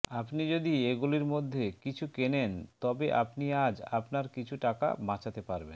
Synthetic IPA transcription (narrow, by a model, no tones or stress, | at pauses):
apnid͡ʑod̪ieɡuliɾmod̪ʱːekit͡ɕʰukenent̪ɔbeʔa̰pniad͡ʑa̰pnaɾkit͡ɕʰuʈaka̰bãt͡ɕʰat̪epaɾben